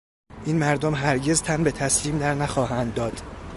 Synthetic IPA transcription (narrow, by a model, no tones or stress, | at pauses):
ʔiːnmæɾd̪omɦæɾɟe̞zt̪ʰænbe̞t̪ʰæsliːmd̪æɾnæxɒːɦænd̪ːɒːd̪̥